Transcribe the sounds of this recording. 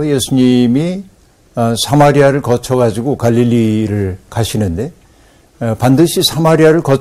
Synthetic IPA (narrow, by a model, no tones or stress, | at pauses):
jesʰuɲimi | sʰamaɾiaɾɯɭkʌt͡ɕʰʌɡad͡ʑiɡokaʎːiʎːiɾɯɭkaɕʰinɯnde̞ | pandɯɕʰisʰamaɾiaɾɯɭkʌ